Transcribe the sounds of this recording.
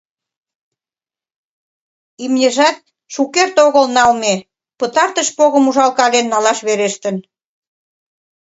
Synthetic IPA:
imnʲeʒɑt̪̚ | ʃukert̪oɣəlnɑlme | pət̪ɑrt̪əʃpoɣəmuʒɑlkɑlenːɑlɑʃβeɾeʃt̪ən

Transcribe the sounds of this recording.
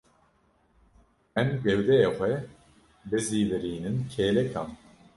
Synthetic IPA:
ɛmɡɛwd̪ɛjeːxʷɛ | bɨziːvɨɾiːnɨnkʰeːlɛkʰɑːn

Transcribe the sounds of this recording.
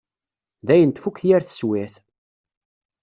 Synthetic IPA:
ðæjənt̪fukːjæɾθə̥swæθ

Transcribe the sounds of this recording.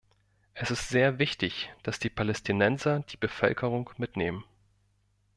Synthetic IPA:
ʔɛsɪstz̥eːɐvɪçtɪçd̥asd̥iːpʰalɛstʰinɛnzɐd̥iːbəfœ̰lkʰəʁ̞ʊŋmɪtneːmən

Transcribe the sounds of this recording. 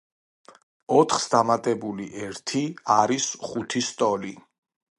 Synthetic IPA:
ɔt̪ʰχsd̪amat̪ʼɛbuliʔɛɾt̪ʰiaɾisχut̪ʰist̪ʼɔli

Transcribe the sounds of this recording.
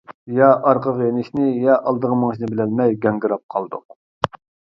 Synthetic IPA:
jɑʔɑɾqəʁjenɪʃnɪjɑʔɑlˠd̪əʁəməŋʃnɨbɪlɛlmɛjɡʲɛŋɡʲɪɾɑp̚qʰɑlˠd̪ṵq

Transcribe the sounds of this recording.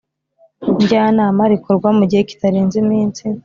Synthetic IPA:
ɲɟaːnaːmaɾikoɾɡwamuɟihe̞ci̥taɾiːnzimiːnsi

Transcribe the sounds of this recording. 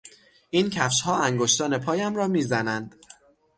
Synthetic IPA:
incʰæfʃhɒːæŋɡoʃt̪ɒːne̞pʰɒːjæmɾɒːmiːzænænd̪̥

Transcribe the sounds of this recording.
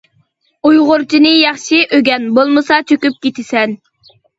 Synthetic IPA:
ujʁʊɾt͡ʃʰinɨjɑχʃiʔøɡʲɛnbolˠmɨsɑt͡ʃʰøkʲyp̚kʲet̪ʰɪsɛn

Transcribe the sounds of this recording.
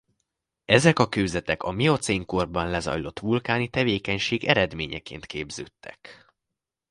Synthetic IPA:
ɛzɛkɒkøːzɛt̪ɛkɒmio̞t̪seːŋkorbɒnlɛzɒ̰jlo̞t̪ʋulkaːnit̪ɛveːkɛɲʃeːɡɛɾɛd̪meːɲɛkḛːnt̪kʰeːbzøːt̪ːɛ̥k

